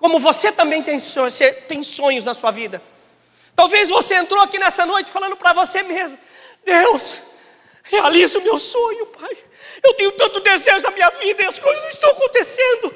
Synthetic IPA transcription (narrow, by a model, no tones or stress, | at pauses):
kõmʊvoset̪ɐ̃mbẽj̃t̪ẽj̃sõset̪ẽj̃sõɲʊznɐsuɐvid̪ɐ | t̪awvezvoseẽnt̪ɾoakinɛsɐnojt͡ʃɪ̥falɐ̃nd̪ʊpɾɐvosemezmʊ | d̪ews | healizʊmewsõɲʊpaj | ewt̪ẽɲʊt̪ɐ̃nt̪ʊd̪ezeʒʊnɐmĩɲɐvid̪ɐɐskojzɐzist̪ɐw̃ɐkõt̪esẽnd̪ʊ